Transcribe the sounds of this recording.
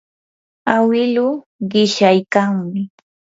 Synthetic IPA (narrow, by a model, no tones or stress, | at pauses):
awɪlʊ | ɢɪʃajkaŋmɪ